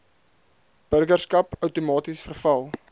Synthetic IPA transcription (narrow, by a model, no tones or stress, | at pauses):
b̥ərɡərskɐpœwtomɑːtisfərfɐlˠ